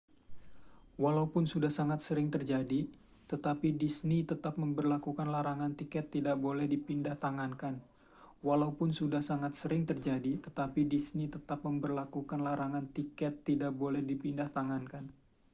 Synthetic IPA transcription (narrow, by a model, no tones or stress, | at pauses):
walaupʊnsudahsaŋat̪səɾɪŋt̪ərd͡ʒadi | t̪ət̪apidisnit̪ət̪ap̚məmbərlakukanlaɾaŋant̪ikɛt̪ːidaʔ̚bolɛhdipindaht̪aŋankan | walaupʊnsudahsaŋat̪̚səɾɪŋt̪ərd͡ʒadit̪ət̪apidisnit̪ət̪ap̚məmbərlakukanlaɾaŋant̪ikɛt̪ːidak̚bolɛhdipindaht̪aŋankan